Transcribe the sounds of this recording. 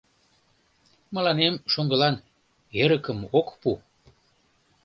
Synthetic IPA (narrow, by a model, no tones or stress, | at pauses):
mə̆lɑnemʃoŋɡəlɑn | eɾəkəmokpu